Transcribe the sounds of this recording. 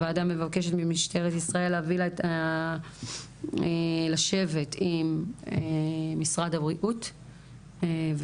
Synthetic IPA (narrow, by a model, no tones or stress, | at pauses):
vaːdamːe̞vake̞ʃ̬etmimiʃte̞ʁetisʁae̞lavilta | elaʃe̞ve̞timemisʁadhabʁiʔut | v